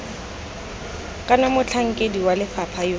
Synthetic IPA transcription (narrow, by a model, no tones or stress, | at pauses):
kʼanamʊt͡ɬʰaŋ̩kʼediwalɪfapʰajo